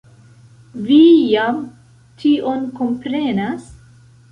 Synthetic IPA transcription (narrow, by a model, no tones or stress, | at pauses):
vijam | tʰio̞nko̞mpɾe̞nas